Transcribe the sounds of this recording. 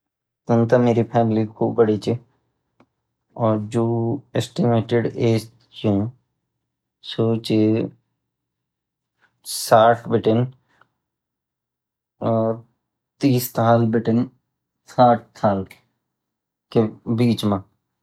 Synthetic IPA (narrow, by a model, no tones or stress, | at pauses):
t̪ənt̪ameːɾipʰɛːmlikʰuːp̚bəɽit͡ʃi | ɔːɾd͡ʒoːesʈɪmeːʈɪɖeːst̪ | jũː | soːt͡ʃe | saːʈʰbɪʈɪn | t̪iːst̪ʰaːlbɪʈɪn | saːʈ̚ʰt̪ʰaːl | kebiːt͡ʃmã